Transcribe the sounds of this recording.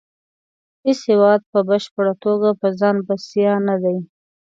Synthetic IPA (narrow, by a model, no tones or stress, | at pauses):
heshewɑd̪̚pəbaʃpəɽat̪oɡapəzɑnbasijɑnad̪aj